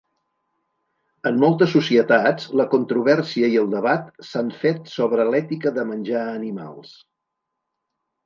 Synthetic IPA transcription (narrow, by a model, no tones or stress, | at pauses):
əmːɔlˠt̪əsːusiət̪at͡sləkunt̪ɾuβ̞ɛrsiəiəlˠd̪əβat̪saɱfet̪sɔβɾəlɛt̪ikəðəmənʲʒaːnima̰lˠs